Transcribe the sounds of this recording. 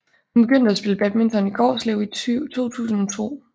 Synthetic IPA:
hunb̥e̝ɡ̥øn̰d̥əæsb̥e̝ləb̥æd̥ment͡sʰɒniɡ̥ɒ̰ːsleʊit͡sʰo̝̰ːt͡sʰṵːs̬n̩ɒt͡sʰo̝̰ː

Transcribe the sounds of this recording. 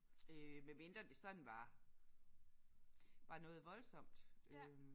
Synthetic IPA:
ømemend̥ɐd̥e̝sɒ̽d̥n̩ʋɑ̈ | ʋɑ̈nɔ̽ːð̩ˠʋɒ̽lsɒ̽m̰d̥ø

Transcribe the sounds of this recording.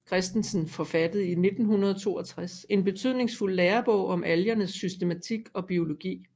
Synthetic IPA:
kʰʁɛsd̥n̩sn̩fɒ̽fæd̥əð̞̩ˠine̝d̥n̩hunɐð̞ˠɒt͡sʰo̝̰ːɒ̽t͡sʰʁase̝nb̥e̝t͡sʰyð̞̰ˠne̝ŋsful̰leːɐb̥ɔʊ̰ɒ̽mʔæljɐnəsːysd̥e̝mæt͡sʰiɡ̥ɒ̽b̥io̝lo̝ɡ̥ḭː

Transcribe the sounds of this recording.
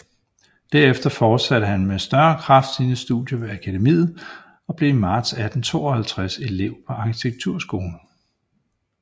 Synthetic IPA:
d̥æɐ̰efd̥ɐfɒːd̥sæd̥əhænmesd̥ɶɐkʰʁɑ̈fd̥siːnəsd̥uðˠjɐʋe̝ækʰæd̥e̝mḭːð̩ˠ | ɒ̽b̥le̝imɑ̈ːd̥sæd̥n̩t͡sʰo̝̰ːɒ̽hælt͡sʰʁase̝leʊ̰pʰɒ̽ɑ̈kʰit͡sʰeɡ̥̚t͡sʰuɐ̰sɡ̥o̝ːln̩

